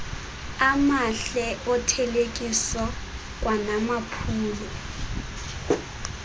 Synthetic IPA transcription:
amaɬɛʔɔtʰɛlekʼisaɔ | k̬ʼwanamapʰuːlɔ

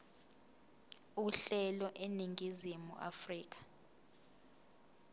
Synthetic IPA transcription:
uɬɛlɔʔeniŋɡʱizimṵʔa̰friːk̬ḁ

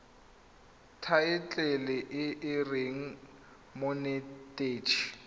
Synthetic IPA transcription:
tʰaɪt͡ɬʼɛlɪʔɪʔɪreŋ̩ | monɛtʼeːt͡ʃʰi

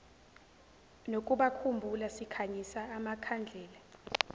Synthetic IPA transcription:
nokʼuɓakʰumbʱulasikʰaɲisaːmakʰand͡ɮʱɛːla

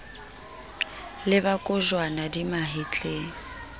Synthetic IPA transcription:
lɪbakʼʊʒwanadimaɦɪt͡ɬʼeːŋ̩

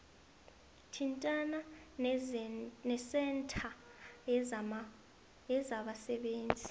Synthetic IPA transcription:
tʰintʼana | nɛsɛntʰa | jɛzaɓasɛɓeːnd͡zʱi

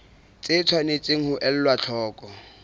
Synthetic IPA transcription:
t͡sʼɪt͡sʰwanɪt͡sʼeŋ̩hʊʔɛl̩lwat͡ɬʰɔːkʼɔ

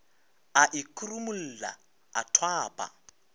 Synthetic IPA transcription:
aʔɪkʼurumul̩ːla̰ | atʰwaːpʼa̰

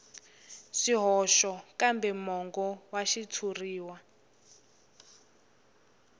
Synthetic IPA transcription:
ʃiɦɔʃɔkambɛmɔŋɡɔwaʃit͡sʰuriːwa

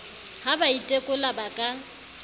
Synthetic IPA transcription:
habaitʼekʼʊlabakʼa

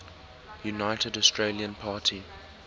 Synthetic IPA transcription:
junaɪtʰədɔstʰɹeːliə̃npʰaːtʰi

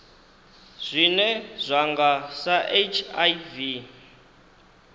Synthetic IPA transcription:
z̥ʷinɛzʷaŋɡasaʔet͡ʃʰajvi

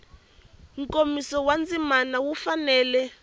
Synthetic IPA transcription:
ŋkomisɔwand͡zimanawufanɛːlɛ

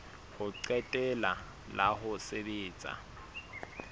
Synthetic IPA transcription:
hʊǀɛtʼɛla | laɦʊsebeːt͡sʼa̰

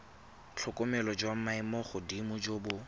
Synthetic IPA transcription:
t͡ɬʰʊkʼʊmɛlɔd͡ʒwamaɪmɔχʊdimʊd͡ʒobʊ

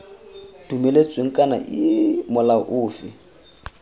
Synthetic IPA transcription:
d̥umelet͡sʼweŋ̩kʼana̰ʔɪmʊlaʔʊːfɪ

